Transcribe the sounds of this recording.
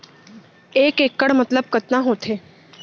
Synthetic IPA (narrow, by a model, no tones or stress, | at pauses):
eːkeːkːəɽmɐt̪ləb̚kɐt̪naɦoːt̪ʰeː